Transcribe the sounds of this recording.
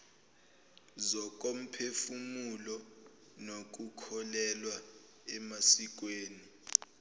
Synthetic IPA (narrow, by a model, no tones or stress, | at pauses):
zɔk̬om̩pʰefumulɔ | nok̬ukʰɔlɛlwa | ɛmasik̬weːni